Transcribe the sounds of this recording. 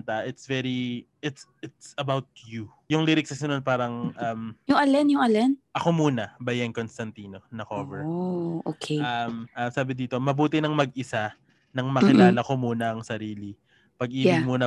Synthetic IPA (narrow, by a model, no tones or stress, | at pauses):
nt̪ɐʔɪt̪svɛɹiʔɪt̪sɪt̪sɐbawt̪̚ju | jʊŋliɾɪksɐsɪnon̚paːɾɐŋʔɐmjʊŋʔɐlɛnjʊŋɐlɛnʔɐko̞muːnɐbɐjɐnkonst̪ɐnt̪iːno̞nɐkovɛɹʔokʰeɐmʔɐmsaːbɪd̪iːt̪o̞mɐbuːt̪ɪnɐŋmɐɡʔɪsa | nɐŋmɐkɪlaːlɐko̞muːnɐʔɐŋsɐɾiːli | pɐɡ̚ʔiːmuːnɐ